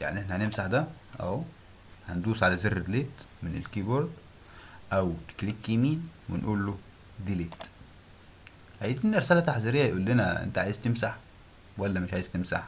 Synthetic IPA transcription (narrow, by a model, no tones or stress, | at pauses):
ja̰ʕniʔeħnæhænemsaħd̪æ | ʔæ̰w | hænd̪uːsʕalæzerːed̪leːt̪mɪnḛlkiboɾd̪ | ʔæwt̪klikːimiːnwḛnʔuːlːo | d̪iːleːt̪ | hajid̪minʔɑɾsælæt̪aħziɾejːajʔuːlːɪnæʔḛnt̪æʕajezt̪ɪmsaħ | wælːæmɪʃʕaːjezt̪emsa̰ħ